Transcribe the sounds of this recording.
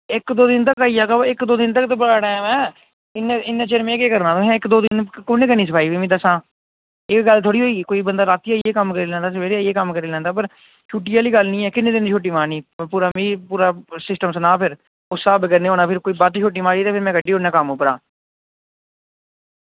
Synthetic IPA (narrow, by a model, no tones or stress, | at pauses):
ɪkd̪oːd̪ɪnt̪̬əkaːiːaːkaɪkd̪oːd̪ɪnt̪̬əkt̪əbəlaːɽãːmɛ̃ː | ɪnẽɪnːeːt͡ʃeːɾmẽːkeːkəɾnãːt̪õɦɛ̃ːɪkd̪oːd̪ɪnkoːnẽːkəɾnĩːs̬əpʰaːiːʋiːmiːd̪əsãː | ɪkɡəlt̪ʰoːɽiːoːiːkoːiːbənd̪aːɾaːt̪iaːeːkəmkəɾiːlɛ̃ːnd̪aːs̬əeːɾeːkəmkəɾiːlɛ̃ːnd̪aːpəɾ | t͡ʃʰuːʈːiːaːliːɡəlnĩːɛːkɪnːeːd̪ɪnːt͡ʃʰoːʈ̬ːiːmaːniːpuːɾaːmiːpuːɾaːsɪsʈəmsənaːpʰɪɾ | ʊsaːbəɡəɾneːɦoːnaːpʰɪɾkoːiːbaːt̪ːt͡ʃʰoːʈ̬ːiːmaːɾiːt̪eːpʰɪɾmɛ̃ːkəɖiːɦoːnɛ̃ːkəmoːpəɾa̰ː